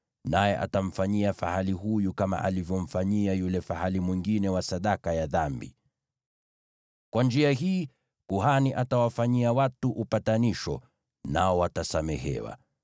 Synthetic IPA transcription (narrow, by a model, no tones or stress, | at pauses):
najɛʔa̰tam̩faɲiafahaliɦujukama̰ʔa̰livjɔm̩faɲiajulɛfahalimwiŋɡinɛwasaɗakajaðambḭ | kwand͡ʒiaɦiː | kuhaniʔatawafaɲiawatuʔupataniʃɔ̰ | naɔwatasamɛhɛ̰wa̰